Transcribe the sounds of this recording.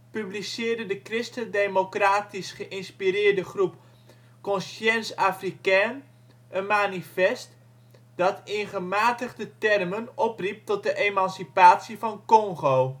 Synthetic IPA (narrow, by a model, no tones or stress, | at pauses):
pyblisɪːrdədəkrɪstədemokraːtisχəʔɪnspiɾɪːrdəχrup | kɔnsɛnsaːfrikaːn | ʔənmaːnifɛst | d̥ɑtɪχəmaːtəχdətɛrmənɔprip̚tɔt̚dəʔemɑnsipaːtsivɑnkɔŋχow